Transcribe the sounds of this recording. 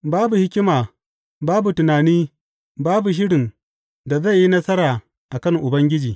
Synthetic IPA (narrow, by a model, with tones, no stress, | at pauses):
baː˦bu˨hɪ˦kʲɪ˦maː˨ | baː˦bu˨tʊ˨naː˨niː˦ | baː˦bu˨ʃ̬ɪ˦ɽɪ˨n | da˨zɐ˦˨jːi˦nɐ˦sɐ˦ɾaː˨ | ʔa˨kɐ˦˨ŋʔʊ˨bɐ˦ŋɡʲɪ˦d͡ʒiː˨